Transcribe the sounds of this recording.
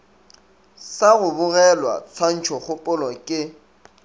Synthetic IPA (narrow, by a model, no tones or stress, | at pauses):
saɣʊbʊɣɛlwa̰t͡sʰan̩t͡ʃʰɔχʊpʼʊlɔkʼɪ